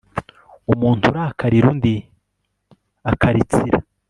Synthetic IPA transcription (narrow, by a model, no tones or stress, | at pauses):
umuːntʰuɾaːkʰaɾiɾundi | akʰaɾit͡siɾa̰